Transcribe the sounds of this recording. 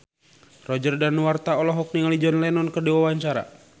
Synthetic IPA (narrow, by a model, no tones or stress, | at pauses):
rɔd͡ʒərdanwart̪aɔlɔɦɔk̚niŋalid͡ʒɔnlɛnɔnkərdiwawaɲt͡ʃaɾa̰